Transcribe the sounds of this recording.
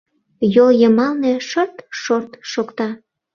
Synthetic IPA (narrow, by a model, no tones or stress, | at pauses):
joljəmɑlne̽ʃərt̪ʃort̪ʃokt̪ɑ